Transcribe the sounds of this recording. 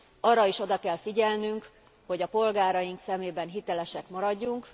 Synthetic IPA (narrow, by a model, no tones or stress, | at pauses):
ɒrːɒiʃo̞d̪ɒkɛlfiɟɛlnyŋk | ho̞ɟɒpo̞lɡaːɾɒjiŋksɛmeːbɛnɦit̪ɛlɛʃɛkmɒɾɒɟːuŋk